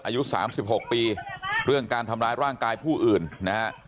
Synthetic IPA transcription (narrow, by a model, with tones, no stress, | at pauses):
ʔaː˧ju˦˥sa̰ː˩˦msi˨˩p̚ɦo˨˩k̚piː˧ɾɯ˥˩əŋkaː˧nt̪ʰa˧mɾaː˦˥jɾaː˥˩ŋkaː˧jpʰuː˥˩ʔɯː˨˩nːa˦˥ha˦˥ʔ